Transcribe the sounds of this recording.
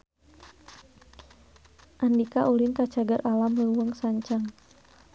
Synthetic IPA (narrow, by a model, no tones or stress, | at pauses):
ʔandikaʔulink̪at͡ʃaɡaɾʔalaməuwəŋsaɲt͡ʃaŋ